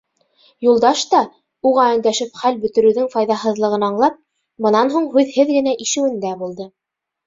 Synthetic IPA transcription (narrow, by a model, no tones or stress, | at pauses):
julˠd̪ɑʃt̪ɑ | uʁæɘ̆nd̪æʃɘpχælbɵ̆t̪ɘ̆ɾɘ̆wðɘŋfɑjðɑɦɤ̆ðlˠɤ̆ʁɤ̆nɑɴlˠɑp̚ | bɤ̆nɑnɦuɴɦʉðhɘðɡɘ̆næʔiʃɘ̆wɘ̆nd̪æbulˠd̪ɤ